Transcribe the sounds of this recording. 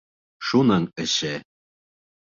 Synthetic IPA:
ʃunɑŋɘ̆ɕɘ

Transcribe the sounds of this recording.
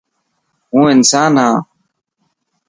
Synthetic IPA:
ɦũːɪnsaːnɦãː

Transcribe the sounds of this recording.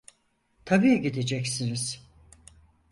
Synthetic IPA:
t̪ʰabiːɟid̪ed͡ʒɛcsiniz̥

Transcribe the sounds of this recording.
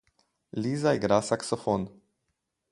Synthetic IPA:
lizajɡɾasaksɔfon

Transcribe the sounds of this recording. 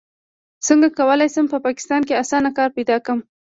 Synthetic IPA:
səŋɡakawəlajsəmpəpɑkɪ̥st̪ɑnkeasɑnakɑɾpajd̪ɑkəm

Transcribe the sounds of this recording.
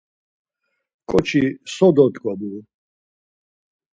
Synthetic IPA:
kʼɔt͡ʃʰisɔd̪ɔd̪ɡʼɔbul

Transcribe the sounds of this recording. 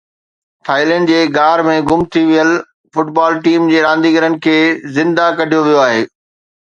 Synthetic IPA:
tʰaːɪlɛ̃ːɳɖd͡ʑeːɡaːɾmẽɡʊmt̪ʰiʋijəl | fʊʈbaːlʈiːmd͡ʑeːɾãːnd̪iɡəɾənɪ̆kʰeːzɪ̃nd̪akɐɖʱijoʋijoaːɦeː

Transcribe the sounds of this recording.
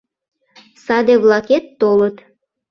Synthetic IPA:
sɑd̪eβlɑket̪ːolət̪

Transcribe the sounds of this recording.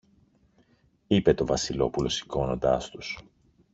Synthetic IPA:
ipe̞t̪o̞vɐsilo̞pulo̞si̥ko̞no̞̰nd̪ɐ̰st̪us

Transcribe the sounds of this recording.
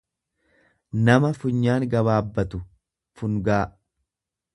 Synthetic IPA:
nɐmɐfʊɲːaːŋɡɐβaːbːɐt̪ʊ | fʊŋɡaː

